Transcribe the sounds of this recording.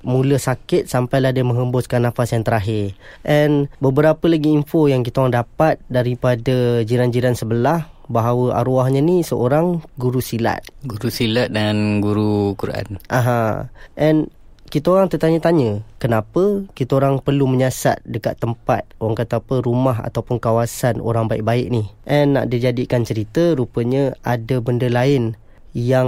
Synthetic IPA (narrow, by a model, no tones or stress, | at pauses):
mũləsakɪt̪̚sampajlahdəmə̃ŋɦəmbʊskanːafasjaŋt̪əɾaɦɪrʔɛnbəbəɾapəlaɡiːmfojaŋkit̪aoɾaŋdapat̪̚daɾipadad͡ʒiɾand͡ʒiɾansəbəlahbaɦawəʔa̰ɾuahɲənisəʔoɾaŋɡuɾusila̰t̪̚ɡuɾusilat̪̚danɡuɾukuɾʔa̰nʔaɦãʔɛn | kit̪aoɾaŋt̪ət̪aɲət̪aɲəkənapəkit̪aoɾaŋpərluməɲasa̰t̪̚dəka̰t̪ːəmpa̰t̪̚oaŋkat̪apəɾumaɦa̰t̪awpʊnkawasano̰ɾaŋbaɪʔ̚baɪʔ̚nihʔɛnːa̰ʔdid͡ʒadikant͡ʃəɾit̪əɾupəɲəadəbəndəlaɪn | jaŋ